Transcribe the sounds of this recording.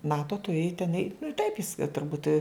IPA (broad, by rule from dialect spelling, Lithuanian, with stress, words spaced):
ˈnɑːtoː tʊˈrʲeːj tʲɛn ɛɪ nʊ ɪ tɐɪp ɪs tʊrˈbuːt